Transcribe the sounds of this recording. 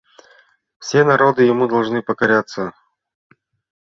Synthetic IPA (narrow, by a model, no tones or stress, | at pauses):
fsʲenɐɾo̞d̪ɨjɪmud̪ɐlˠʐnɨpəkɐɾʲat̪sːə